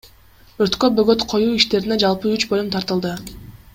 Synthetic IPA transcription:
øɾt̪kø̞bøɡø̞t̪qʰo̞juːiʃt̪e̞ɾined͡ʒɑlˠpɯyt͡ʃbo̞lʲumt̪ʰɑɾt̪ɯlˠd̪ɯ

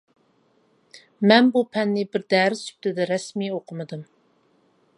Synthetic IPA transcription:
mɛnbupʰɛnːɪbɪɾd̪æɾɪy̥p̚ʲt̪ɪd̪ɛɾɛsmioqʰəmɨd̪ɨm

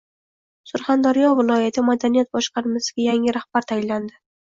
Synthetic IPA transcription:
sʊɾχand̪aɾjɒvɪlˠɒjat̪ʰɪmad̪anijat̪̚bɒʃqɑɾmasɪɡʲajaŋɪɾahb̥aɾt̪ʰajɪlːand̪ɪ

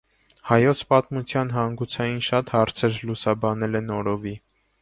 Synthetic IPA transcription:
hɑjɔt͡sʰpɑt̪mut͡sʰjɑnɦɑŋɡut͡sʰɑjinʃɑt̪hɑɾt͡sʰɛɾlusɑbɑnɛlɛnɔɾɔvi

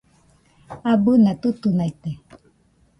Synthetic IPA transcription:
abɨnat̪ut̪unajt̪e

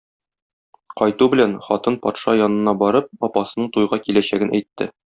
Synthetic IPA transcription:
qɒjt̪ubɘ̆lænχɒt̪ɤnpɒt̪ʃɑjɒnɤ̆nɑbɒɾɤp̚ɒpɑsɤ̆nɤɴt̪ujʁɑkilæɕæɡɘnʔæjt̪ːɘ̰

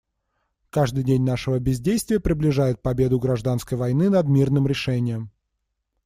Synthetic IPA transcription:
kaʐd̪ɨjdʲenʲnaʂɨvəbʲɪzʲdʲejst̪vʲɪjəpɾʲɪblʲɪʐajɪt̪̚pɐbʲe̞d̪ʊɡɾɐʐd̪an̪skəjvɐjnɨnɐd̪mʲirnɨmɾʲɪʂɛnʲɪjəm

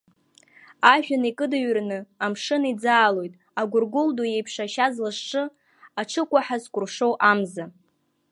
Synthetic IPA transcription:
aʒᶣanikʼɨdaɥrnɨamʂɨnid͡zaːlo̞jtʼ | aɡʷʊrɡʊlduje̞jpʰʂaʃazlɨʂʈ͡ʂʼɨ | aʈ͡ʂʰɨkʷʼaħazkʷʼʊrʂo̞wʔamza

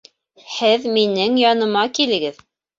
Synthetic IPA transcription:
hɘðminɘŋjɑnɤ̆mɑkilɘ̆ɡɘð

